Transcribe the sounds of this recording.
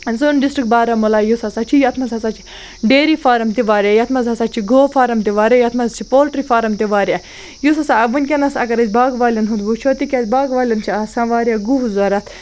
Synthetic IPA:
zonɖisʈɾik̚ʈ̚baːɾamolaːjusɐsat͡ʃʰijɐt̪ʰmɐzɐsat͡ʃʰi̥ | ɖeːɾifaːɾɐmt̪iʋaːɾʲjajɐt̪ʰmɐzɐsat͡ʃʰiɡoːfaːɾɐmt̪iʋaːɾʲajɐt̪ʰmɐzt͡ʃʰipoːlʈɾifaːɾɐmt̪iʋaːɾja | jusɐsaʋunʲkʲenɐsɐ̰kɐɾɐsʲbaːɡʋaːlʲɐnɦud̪but͡ʃʰot̪ikʲasʲbaːɡʋaːlʲɐnt͡ʃʰisãʋaːɾʲjaɡuɦuzɐɾɐt̪

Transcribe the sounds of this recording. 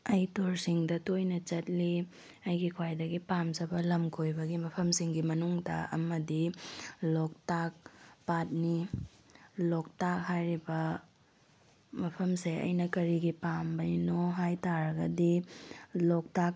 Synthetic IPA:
ɐjtoɾsiŋdɐtojnɐt͡ʃɐt̚li | ɐjɡikʰwajdɐɡipamzɐbɐlɐmkʰojbɐɡimɐpʰɐmsiŋɡimɐnuŋdɐ̰ɐ̰mɐdilok̚tak̚pat̚ni | lok̚tak̚ɦajɾibɐ | mɐpʰɐmseɐ̰jnɐkɐɾiɡipambɐjnoɦajtaɾɐɡɐdi | lok̚tak̚

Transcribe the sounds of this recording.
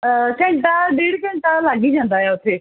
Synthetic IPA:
kɛ̃ɳʈaɖeːɽkɛ̃ɳʈalaːɡiːd͡ʒãːnd̪aːɦɛʊt̪ʰːeː

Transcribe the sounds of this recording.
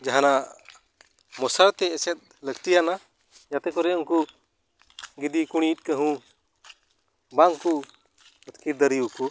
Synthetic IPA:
d͡ʒaɦana | mɔsəɾt̪ɛːsɛt̪̚ləkt̪ijana | jat̪ɛkɔɾɛunku | ɡid̪ikuɽ̃it̪̚kəɦũ | baŋku | ət̪ʰkiɾd̪əɾiuku

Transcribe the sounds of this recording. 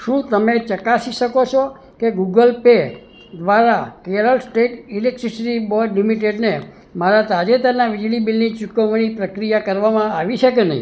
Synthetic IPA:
ʃũt̪əmet͡ʃəkasiʃəkot͡ʃʰɔ | keɡuɡəlpe | d̪ʋaɾakeɾəlsʈeʈilek̚ʈisɾibɔɖlimiʈ̬eɖne | maɾat̪ad͡ʒet̪əɾnaʋid͡ʒlibilnit͡ʃukəʋñipɾəkɾijakəɾʋamãaʋit͡ʃʰekenəɦḭ̃

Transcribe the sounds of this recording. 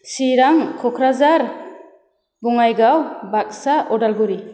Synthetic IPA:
siɾaŋkʰɔkʰɾazaɾ | bɔŋajɡawbak̚saʔɔdalɡuɾi

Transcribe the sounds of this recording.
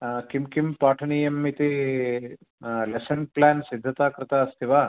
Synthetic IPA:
kimkimpaːʈʰɐniːjɐmːit̪e | lesɐnplæːnsɪd̪ʱːɐt̪aːkɾɪt̪aɐst̪ʰiʋaː

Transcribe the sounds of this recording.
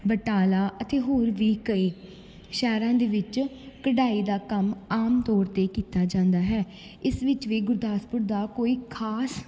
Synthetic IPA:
bəʈaːlaːʔət̪eːɦoːɾʋiːkəiː | ʃɛːɾãːd̪eːʋɪt͡ʃkəɖaːiːd̪aːkəmaːmt̪ɔːɾt̪eːkiːt̪aːd͡ʒãːnd̪aːɦɛː | ɪsʋɪt͡ʃʋiːɡʊɾd̪aːspʊɾd̪aːkoːiːkʰaːs

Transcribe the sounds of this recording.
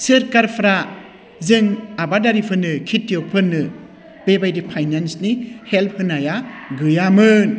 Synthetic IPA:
sɯɾ̚kaɾpʰɾa | zɯŋabadaɾipʰɯnɯkʰitːijopʰɯnːɯ | b̥ebajdipʰajnansnihelp̚hɯnajaɡɯjamɯn

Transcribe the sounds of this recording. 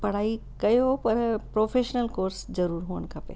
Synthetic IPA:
pɐɽ̤aːi | kɐjopɐɾpɾoːfeːʃnəlkoːɾszɐɾuːɾɦuːəɽ̃kʰɐpḛː

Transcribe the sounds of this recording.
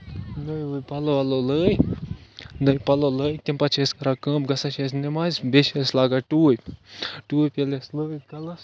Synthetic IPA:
nɨjʋupɐloɐloləːj | nɨjpɐloːləːjt̪empɐt͡ʃʰeːskɐɾakə̃ːmpɡɐsɐʃʰesnimaːzʲbet͡ʃʰeslaːɡaʈuːjʲʈuːjpʲelesləːjkɐlɐs

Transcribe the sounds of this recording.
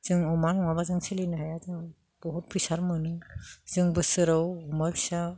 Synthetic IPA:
z̥ɯŋɔmaɾŋabazɯŋselinɯɦajazɯŋ | b̥ɔɦut̚pʰɾisaɾmɯnɯzɯŋbɯsɯɾawɔmaksa

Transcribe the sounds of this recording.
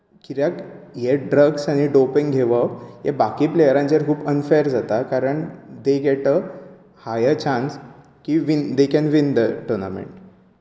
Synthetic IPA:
kiɾjakɦeɖɾəɡsaɽ̃iɖopiŋɡɡʱeʋəʋjebakiplejəɾãnt͡ɕeɾkʰuːpənfeəɾd͡zat̪akaɾəɳd̪eɡeʈə | hajət͡ɕãns | kiʋind̪ekɛnʋind̪əʈəɾna̰mḛɳʈ

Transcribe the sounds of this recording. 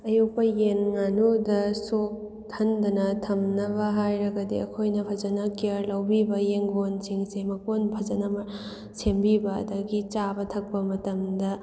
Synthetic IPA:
ɐjupɐjenŋanudɐsok̚ | tʰɐndɐnɐtʰɐmnɐβɐɦajɾɐɡɐdḭɐ̰kʰojnɐpʰɐzɐnɐkjɐɾlɐwbibɐjeŋbonsiŋsemɐk̚ponpʰɐzɐnɐmɐ | sembibɐ̰ːdɐɡit͡ʃabɐtʰɐk̚pɐmɐtɐmdɐ

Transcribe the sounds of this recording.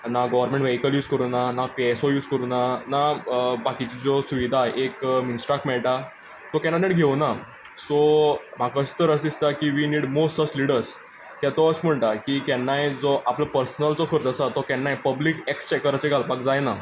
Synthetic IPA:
naɡɔʋəɾmẽɳʈʋeikəljuːd͡zkəɾunanapeesojuːd͡zkəɾuːnanabakit͡ɕid͡zɔsuʋid̪ʱaekminsʈakmɛɭʈa | t̪ɔkɛ̃nːat̪iɽɡʱewna | sɔm̤aɡəɕi̥t̪əɾəsd̪ist̪akiʋiniːɽmosʈəsliɽəɾs | k̪jat̪ɔəsm̤əɳʈakikɛnːajd͡zɔʔapləpəɾsnəlt͡sɔkʰəɾd͡zəsat̪ɔkɛnːajpəblikekst͡ɕekːəɾat͡seɡʱalpakd͡zajna

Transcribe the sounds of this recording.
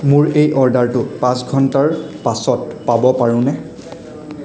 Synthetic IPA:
mʊɹejʔɔɹdaɹtʊpãsɡʱɔntaɹpasɔt̚pabɔpaɹʊ̃nɛ

